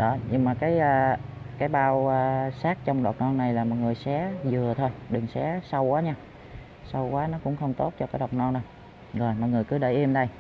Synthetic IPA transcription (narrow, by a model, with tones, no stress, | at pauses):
ɗɔ˨˦ɲɨ˧ŋmaː˨˩kaː˨˦jʔː | kaː˨˦jɓaː˧wːsaː˦˥k̚t͡ɕɔ˧wŋ͡mɗɔ˨˩t̚nɔ˧nna˨˩jlaː˨˩mɔ˨˩j̚ŋɨ˨˩əjsɛ̰˨˦zɨ˨˩ət̪ʰo˧jɗɨ˨˩ŋsɛ̰˨˦sa˧wkwaː˨˦ɲaː˧ | sa˧wkwaː˨˦nɔ˨˦kʊ̰˧˥ŋ͡mxə˧wŋ͡mt̪o˦˥t̚t͡ɕɔ˧kaː˨˦jɗa˨˩wk͡p̚nɔ˧nɗə˨˩j | zo˨˩jmɔ˨˩ŋɨ˨˩əjkɨ˨˦ɗə̰˧˩jʔi˧əmɗə˧j